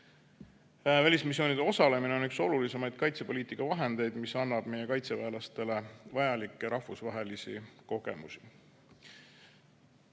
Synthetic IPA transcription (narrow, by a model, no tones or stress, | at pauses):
vælʲismisːjo̞ːnid̪̥e̞o̞sɑle̞mineo̞nykso̞lulise̞mɑjd̪̥̚kɑjt̪se̞po̞liːt̪ˑikːˑɑvɑɦe̞nd̪̥e̞jd̪̥misɑnːɑb̥me̞je̞kɑjt̪se̞væelɑst̪e̞le̞vɑjɑlikːˑeɾɑhvusvɑɦe̞lisḭko̞ɡ̥e̞̰musi